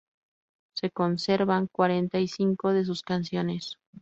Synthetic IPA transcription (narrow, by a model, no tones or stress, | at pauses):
se̞ko̞nse̞ɾβaŋkwaɾe̞nt̪aisiŋko̞ðe̞s̬uskansjo̞ne̞s